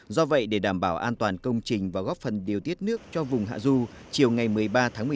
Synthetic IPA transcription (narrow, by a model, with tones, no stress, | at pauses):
zɔ˧və̰˧˨jɗe˧˩ɗaː˧˩mɓaː˧˩wʔaː˧nt̪waː˨˩nkə˧wŋ͡mt͡ɕï˨˩ŋ̟vaː˨˩ɣɔ˦˥p̚fə˨˩nɗi˨˩əwt̪i˦˥ət̚nɨ˦˥ək̚t͡ɕɔ˧vʊ˨˩ŋ͡mɦa̰ː˧˨zu˧t͡ɕi˨˩əwŋa˨˩jmɨ˨˩əjɓaː˧t̪ʰaː˨˦mɨ˨˩˨